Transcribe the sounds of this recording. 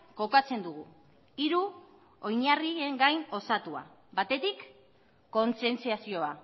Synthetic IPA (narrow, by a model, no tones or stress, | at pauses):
ko̞kat͡se̞nd̪uɣ̞u | iɾu | o̞jɲarieŋɡajno̞sat̪ua̰bat̪e̞t̪ikː | o̞nt͡se̞nt͡siasio̞a